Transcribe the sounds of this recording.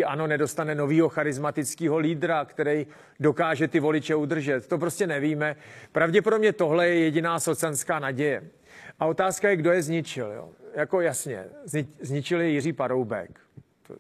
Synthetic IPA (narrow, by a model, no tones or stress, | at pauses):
ʔano̞nɛdo̞st̪anɛno̞viːɦo̞xaɾɪzmat̪ɪt͡skiːɦo̞liːdɾakt̪ɛɾɛj | do̞kaːʒɛt̪ɪvo̞lɪt͡ʃɛud̪r̩ʒɛt̪ːo̞p̬ɾo̞scɛnɛviːmɛpɾavɟɛpo̞dobɲɛt̪o̞ɦlɛjɛjɛɟɪnaːso̞t͡sanskaːnaɟɛjɛ | ʔao̞t̪aːskajɛɡdo̞jɛzɲɪt͡ʃɪljo̰jako̞jasɲɛ̰zzɲɪt͡ʃɪljɛjɪriːpaɾo̞wbɛ̰k | t̪o̰